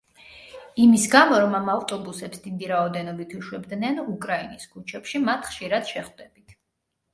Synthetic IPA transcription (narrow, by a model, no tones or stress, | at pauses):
imisɡamɔɾɔmamavt̪ʼɔbusɛpsd̪id̪iɾaɔd̪ɛnɔbit̪ʰuʃwɛbd̪nɛnukʼɾainiskʰut͡ʃʰɛpʃimat̪ʰχʃiɾad̪̥ʃɛχd̪ɛbit̪ʰ